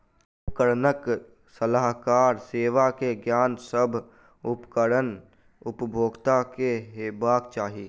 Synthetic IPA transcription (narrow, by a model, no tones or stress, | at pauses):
ʊpkəɾnək | səlaːɦkaːɾseːʋakeɡjaːnsəbʱ | ʊpkəɽən | ʊpbʱoːɡt̪akeɦebaːkt͡ʃaːɦi